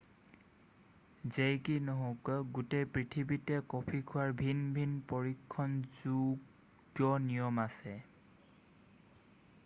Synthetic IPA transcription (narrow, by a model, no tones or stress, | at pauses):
zejkinɔɦokɡutepɹitʰibitɛkɔpʰikʰʊaɹbʱinbʱinpɔɹikʰːɔnzu | ɡjɔnijɔmasɛ